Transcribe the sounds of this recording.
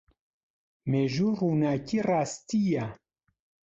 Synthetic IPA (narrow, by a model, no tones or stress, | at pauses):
meʒurunaːciraːst̪ija